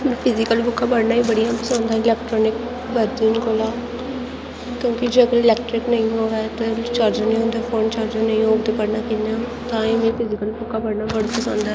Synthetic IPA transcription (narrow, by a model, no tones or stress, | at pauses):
mɛ̃pʰɪzɪkəlbʊkʰːaːbəɽnaːĩːbəɽijãːpəsãːnd̪aːɪlɛːk̚ʈɾɔːnɪk | bəɾd̪iːnkoːlaː | kjõːkɪd͡ʒeːəɡəɾɪlɛːk̚ʈɾɪknəĩɦoːɛːt̪et͡ʃaːɾd͡ʒənə̃ĩːɦõːnd̪aːfʰoːnt͡ʃaːɾd͡ʒãnəĩoːɡt̪eːpəɽnaːkinãː | t̪ãːĩmɛ̃ːpʰɪzɪkəlbʊkʰːapəɽnaːbəɽpəsãːnd̪aɛ